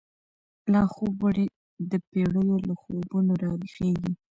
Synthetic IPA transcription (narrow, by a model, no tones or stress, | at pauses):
lɑxobaɽi | d̪əpeɽəjolaxobunoɾɑɾixeɡi